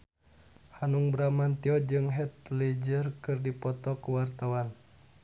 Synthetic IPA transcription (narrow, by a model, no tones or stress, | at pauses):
hanuŋbɾamant̪iɔd͡ʒɨŋɦɛt̪̚lid͡ʒərkɨrdipɔt̪ɔkuwart̪awan